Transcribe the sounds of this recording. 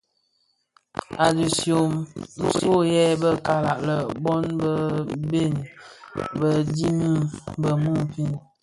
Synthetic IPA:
a˨du˨sjo˨mn̩˦so˦˨jɛ˦bə˦ka˨la˨ʔlə˨bɔ˦nbə˦be˦˨n | bə˦di˦mə˦bə˨mu˦˨pi˦˨n

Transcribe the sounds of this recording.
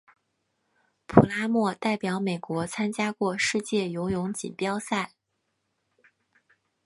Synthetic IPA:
pʰu˨˩la˥mwɔ˥˧t̪a˥˩ɪpjɑ˨˧˥ʊme˨˩ɪkwɔ˧˥t͡sʰa˥nt͡ɕja˥kwɔ˥˧ʂɻ̩˥˧t͡ɕjɛ˥˩jo˧˥ʊjʊ˧˥ŋt͡ɕḭ˨˩npjɑ˥ʊsa˥˩ɪ

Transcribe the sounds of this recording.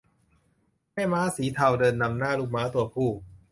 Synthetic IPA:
ka˥˩maː˦˥siː˩˦t̪ʰa˧wdɤː˧nːa˧mnaː˥˩luː˥˩k̚maː˦˥t̪u˧ɐpʰuː˥˩k̚

